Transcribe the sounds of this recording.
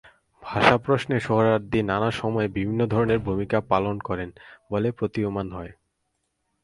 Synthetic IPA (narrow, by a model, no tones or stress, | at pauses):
bʱaʃapɾosneʃoɦoɾaɾd̪inːanaʃɔmɔebibʱinːod̪ʱɔɾoneɾbʱumikapalonkɔɾenbolepɾot̪iomanɦɔe